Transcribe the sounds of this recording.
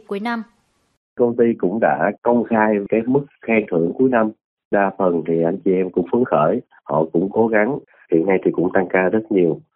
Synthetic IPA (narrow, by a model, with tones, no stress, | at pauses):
ku˧˩˦əjna˧m | kə˧wŋ͡mt̪i˧kʊ̰˧˥ŋ͡mɗa̰ː˧˥kə˧wŋ͡mxaː˧jkaː˨˦jmɨ˦˥k̚xɛ˧ŋt̪ʰɨ̰˧˩əŋku˨˦əjna˧m | ɗaː˧fə˨˩nt̪ʰi˨˩ʔa˧jŋ̟t͡ɕi˨˩ʔɛ˧mkʊ̰˧˥ŋ͡mfɨ˨˦əŋxəː˧˩j | hɔ̰˧˨kʊ̰˧˥ŋ͡mko˨˦ɣa˨˦ŋ | hḭ˧˨ənːa˧jt̪ʰi˨˩kʊ̰˧˥ŋ͡mt̪a˧ŋkaː˧zə˦˥t̚ɲi˨˩əw